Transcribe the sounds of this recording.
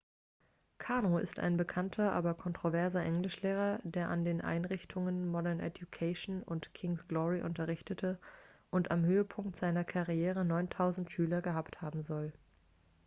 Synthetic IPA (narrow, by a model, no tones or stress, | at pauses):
kʰaɐnoɪ̰sta̰ɪnbəkʰantʰɐʔa̰ːbɐkʰɔntʁ̥ovɛɐzɐʔɛŋlɪʃleːʁ̞ɐdeːɐʔandeːnʔa̰ɪnʁɪçtʰʊŋənmɔɾɛɐnʔɛ̰djukʰaʃnʊntkʰɪŋsɡ̥lɔʁiʔʊ̰ntɐʁɪçtətʰəʔʊntamhøːəpʰʊŋk̚tz̥aɪnɐkʰaʁieːʁ̞ənɔʏntʰaʊzn̩tʃyːlɐɡəɦaːpthaːbm̩zɔl